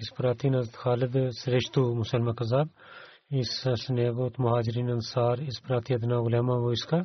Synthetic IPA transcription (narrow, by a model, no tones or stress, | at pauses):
ɪspɾaːt̪inɐzt̪xaːlɪd̪sɾeːʃt̪umʊsɐlmaːkɐzaːb̪̚ | ɪssneːɣot̪mʊɦaːd͡ʒɪɾiːnɐnsaːɾɪspɾaːt̪iɐd̪naːɣʊlɛːmãʋoɪska